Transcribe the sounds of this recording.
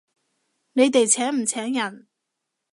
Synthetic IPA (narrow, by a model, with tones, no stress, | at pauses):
ne˨˧jt̪e˨jt͡sʰɛː˨˥ŋm̩˨˩t͡sʰɛː˨˥ŋjɐ˨˩n